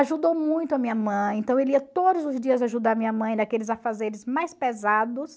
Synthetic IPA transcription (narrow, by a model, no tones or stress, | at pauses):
aʒud̪owmũj̃t̪ʊɐmĩɲɐmɐ̃j̃ẽnt̪ɐ̃w̃eliɐt̪od̪ʊzʊzd͡ʒiɐzaaʒud̪aɾɐmĩɲɐmɐ̃j̃nɐkelɪzafazeɾɪzmajspezad̪ʊs